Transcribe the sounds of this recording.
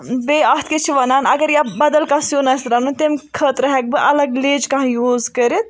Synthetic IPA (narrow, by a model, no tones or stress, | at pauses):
beːɐt̪ket͡ʃʰiʋɐnaːnɐɡɐɾjabɐd̪ɐlkãsjonɐsɾanũt̪emʲkʰəːt̪ɾɐɦɛk̚bɨʔɐlɐɡleːd͡ʒkɐ̃ɦãjuːzkɐɾit̪̚